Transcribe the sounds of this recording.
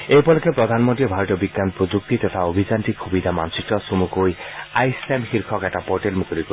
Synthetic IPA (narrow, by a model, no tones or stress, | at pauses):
ejpɔlɔkepɾɔd̪ʱanmonʈiɔbʱaɾɔʈjɔbiɡanɔpɾod͡ʒuk̚t̪it̪ɔt̪ʰaobʱid͡ʒanʈikʰubid̪ʱama̰nsit̪ɔsomukojajsemxiɾkʰɔkɛʈapoɾʈelmukʰɔɾiko